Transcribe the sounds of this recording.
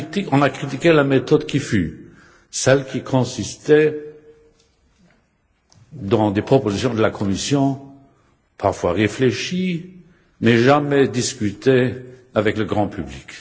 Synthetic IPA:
t̪ikɔ̃nakχit̪ikʲelamet̪ɔd̪kʲify | sɛlkʰʲikʰɔ̃sist̪ɛ | d̪ɑ̃d̪epχɔpozisjɔ̃d̪əlakʰɔmisjɔ̃ | pʰaʁfwaʁefleʃi | mɛʒamɛd̪iskʲyt̪eavɛkləɡʁɑ̃pyblik

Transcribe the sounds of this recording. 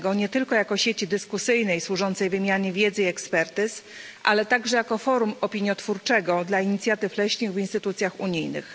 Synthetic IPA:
ɡɔɲɛt̪ɘlkɔjakɔɕet͡ɕid̪ɘskusɘjnɛjswuʐɔnt̪sɛjvɘmʲjaɲɛvʲjɛd̪zɘiɛkspɛɾt̪ɘs | ʔa̰lɛt̪aɡʐɛjakɔfɔɾumɔpʲiɲjɔt̪fuɾt͡ʂɛɡɔd̪laiɲit̪sʲjat̪ɘflɛɕɲiɣvinst̪ɘt̪ut̪sʲjaxuɲijnɘ̰x

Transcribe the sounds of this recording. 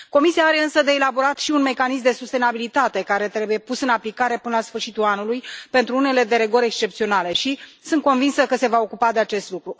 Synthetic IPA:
ko̞misiaaɾe̞ɨnsəd̪e̞ːlabo̞ɾat̪ʃiunme̞kanis̬md̪e̞sust̪e̞nabilit̪at̪e̞kaɾe̞t̪ɾe̞buje̞pusɨnaplikaɾe̞pɨnəlasfɨrʃit̪ulanulujpe̞nt̪ɾuune̞le̞d̪e̞ɾe̞ɡo̞ɾʲe̞kst͡ʃe̞p̚t̪sio̞nale̞ʃisɨnt̪̚ko̞nvinsəkəse̞vao̞kupad̪e̞at͡ʃe̞st̪lukɾu

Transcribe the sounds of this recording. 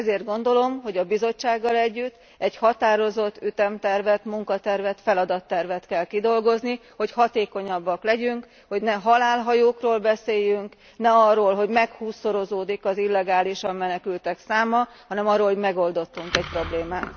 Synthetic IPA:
ɛzeːrd̪̚ɡo̞nd̪o̞lo̞mɦo̞ɟɒbizo̞t͡ʃːaːɡːɒlɛɟːyt̪ː | ɛchɒt̪aːɾo̞zo̞t̪ːyt̪ɛmt̪ɛrvɛt̪muŋkɒt̪ɛrvɛt̪fɛlɒd̪ɒt̪ːɛrvɛt̪kɛlkid̪o̞lɡo̞zniho̞chɒt̪eːko̞ɲɒbːɒklɛɟyŋk | ho̞ɟnɛɦɒlaːlɦɒjoːkroːlbɛseːjːyŋk | nɛɒrːoːlɦo̞ɟmɛkhuːsːo̞ɾo̞zoːd̪ikɒzilːɛɡaːliʃɒmːɛnɛkylt̪ɛksaːmɒhɒnɛmɒrːolhoɟmɛɡo̞ld̪o̞t̪ːuŋkɛc̚pro̞bleːmaːt̪

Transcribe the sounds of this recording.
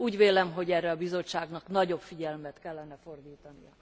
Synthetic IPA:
uːɟʋeːlɛmɦo̞ɟɛrːɛɒbizo̞tt͡ʃːaːɡnɒknɒɟo̞pfiɟɛlmɛt̪kɛlːɛnɛfo̞rd̪iːt̪ɒnijɒ

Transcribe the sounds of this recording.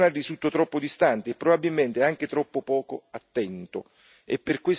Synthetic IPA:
narːisut̪ːot̪ɾɔpːod̪ist̪ant̪eːpːɾobabːilment̪eaŋk̟et̪ɾɔpːopɔːkoat̪ːɛnt̪o | ḛpːerkwes

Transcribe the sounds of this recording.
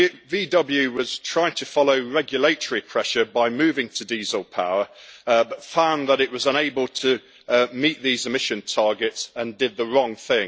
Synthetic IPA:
viːdʌbl̩ˠjʉwɒz̥tʰɹ̥aɪɪ̃ŋtʰəfɒloʊɹɛɡjəleɪtʰəɹipʰɹ̥ɛʃəbaɪmʉːvɪ̃ŋtʰədiːzl̩ˠpʰaʊəəbʌtfãʊ̃nðəɾɪʔwɒzə̃neɪbəlˠtʰə | miˑʔðiːzɪmɪʃə̃ntʰɑɹɡɪtsə̃ndɪd̪̚ðəɹɒ̃ŋθɪ̃ŋ

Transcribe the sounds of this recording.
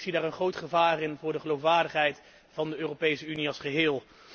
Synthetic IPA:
sidaːɹənχrowtχəvaːrɪnvʊːɹdəχəlowfʋaːɹdəχɦɛjt | vɑndəøːropejsəyniɑlˠsχəɦɪːlˠ

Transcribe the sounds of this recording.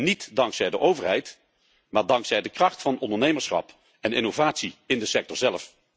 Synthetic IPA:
nitdɑŋksɛjdəʔowvəɹɦɛjt | maːɹdɑŋksɛjdəkrɑχtfɑnɔndəɹnejməɹsχɑ̰p | ɛnɪnovaːtsiɪndəsɛk̚tɔɹzɛləf

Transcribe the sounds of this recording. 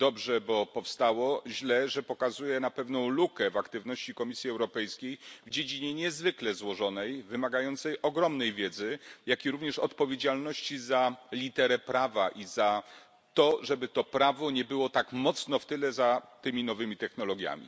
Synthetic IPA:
d̪ɔbʐɛbɔpɔfst̪awɔʑlɛʐɛpɔkazujɛnapɛvnɔ̃w̃lukɛvakt̪ɘvnɔɕt͡ɕikɔmʲisʲjiɛwɾɔpɛjskʲejvd͡ʑed͡ʑiɲɛɲɛzvɘklɛzwɔʐɔnɛjvɘmaɡajɔnt̪sɛjʔɔɡɾɔmnɛjvʲjɛd̪zɘjakʲiɾuvɲɛʂɔt̪pɔvʲjed͡ʑalnɔɕt͡ɕizalʲit̪ɛɾɛpɾavaʔiza | t̪ɔʐɛbɘt̪ɔpɾavɔɲɛbɘwɔt̪akmɔt̪snɔft̪ɘlɛzat̪ɘmʲinɔvɘmʲit̪ɛxnɔlɔɡʲja̰mʲḭ

